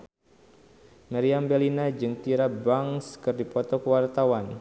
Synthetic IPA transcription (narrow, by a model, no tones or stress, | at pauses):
maɾiambɛlinad͡ʒɨŋt̪iɾabaŋskɨrdipɔt̪ɔkəwart̪awan